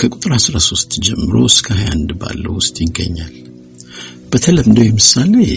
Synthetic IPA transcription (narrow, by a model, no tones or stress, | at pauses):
kʰəkʼut̪ʼɨɾhasɾaso̞st̪d͡ʒɛmːɨɾo̞̰skʰəhaja̰nd̪ba̰lːə̰wʊst̪ʼjɪɡə̰ɲːal | b̥ət̪ʰələmd̪əwjɛmɨsale